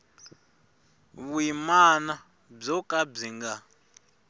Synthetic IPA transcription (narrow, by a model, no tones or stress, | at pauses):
βwimana | b͡ʐɔkʼab͡ʐiŋɡa